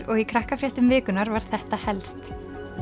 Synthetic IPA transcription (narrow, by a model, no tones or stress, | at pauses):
ɾɔɣikʰɾahkafɾjɛht̪ʏmvɪːkʏnaɾvaɾ̥θɛht̪ahɛlst̪